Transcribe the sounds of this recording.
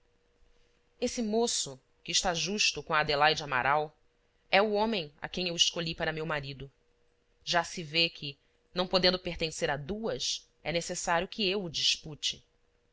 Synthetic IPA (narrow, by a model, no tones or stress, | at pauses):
esɪmosʊ | kɪːʃt̪aʒuʃt̪ʊkõad̪elajd͡ʒɪama̰ɾʔaw | ɛʊõmẽj̃a̰kẽj̃ewɪʃkoʎipaɾɐmewmaɾid̪ʊ | ʒasɪvekʰɪ | nɐ̃w̃pod̪ẽnd̪ʊpeχt̪ẽseɾad̪uɐs | ɛnesesaɾjʊkʰɪewʊd͡ʒiʃput͡ʃɪ